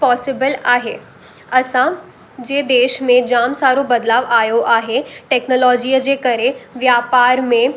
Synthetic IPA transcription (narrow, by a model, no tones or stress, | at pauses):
pɔːsɪbəlaːɦḛː | ɐsã | d͡ʑeːd̪eːʃmẽd͡ʑaːmsaːɾobɐd̪laːʋaːjoʔaːɦeʈɛːknɔːlɔːd͡ʒijəd͡ʑekɐɾẽʋjaːpaːɾmẽ